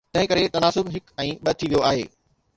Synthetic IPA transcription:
t̪ɐ̃ɦɪ̃kɐɾet̪ɐnaːsʊbɦɪkɛ̃ːɓɐt̪ʰiʋijoaːɦḛː

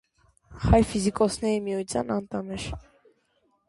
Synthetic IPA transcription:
χɑjfizikʼɔsnɛɾimiut͡sʰjɑ̰nɑnt̪ɑmɛʃ

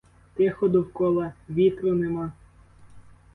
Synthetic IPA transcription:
t̪ɪxɔd̪ʊwkɔlˠɐʋʲit̪ɾʊnɛmɑ

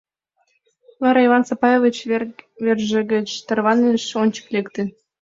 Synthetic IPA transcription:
vɑɾɑivɑnsɑpɑjevit͡ɕvʲerʒĕɡə̆t͡ɕt̪ɤ̆rβɑneʃonʲt͡ɕə̥klekt̪ĕ

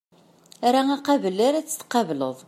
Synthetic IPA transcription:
æɾæŋæqɑvəlːæɾæt͡sːə̥θqɑvləðˤ

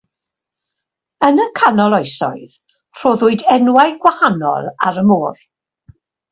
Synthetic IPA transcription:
ənəkʰanɔlˠɔjsɔ̰ɨð | r̥oːðʊɨdɛnwajɡwahanɔ̰lˠa̰ɾəmoːr

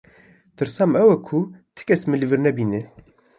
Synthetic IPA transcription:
t̪ɨɾsɑːmɛwɛkʰut̪ʰɨ̥kʲɛsmɨlɨvɨɾnɛbiːne

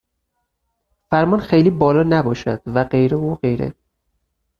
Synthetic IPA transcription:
fæɾmɒnxejliːbɒːlɒːnæbɒːʃæd̪̥væɢe̞jɾeuːɢe̞jɾḛ

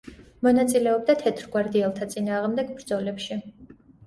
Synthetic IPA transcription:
mɔnat̪sʼilɛɔb̚d̪at̪ʰɛt̪ʰɾɡwaɾd̪iɛlˠt̪ʰat̪sʼinaːʁmd̪ɛɡbɾd̪zɔlɛpʃi

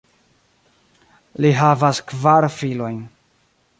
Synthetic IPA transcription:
liɦavaskvaɾfilo̞jn

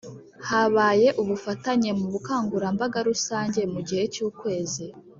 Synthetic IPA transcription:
haβaːje̞ʔuβufataɲe̞muβukaːŋɡuɾambaɡaɾusaːɲɟe̞muɟihe̞cuːkwe̞ːzi

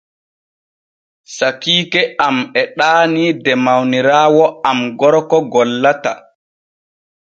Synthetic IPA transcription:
sakiːkɛamɛɗaːnidɛmawniɾaːwɔamɡɔɾkɔɡɔlːata̰

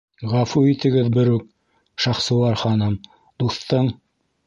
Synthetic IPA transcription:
ʁɑfuit̪ɘ̆ɡɘðbɘ̆ɾʉk̚ | ʃɑχsɤ̆wɑɾχɑnɤm | d̪̥uθt̪ɤɴ

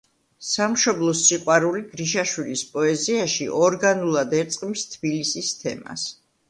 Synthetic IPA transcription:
samʃɔblˠɔsiqʼwaɾuliɡɾiʃaʃwilispʼɔɛziaʃḭʔɔɾɡanulˠad̪ɛɾt̪sʼqʼmist̪ʰb̥ilisist̪ʰɛ̰ma̰s

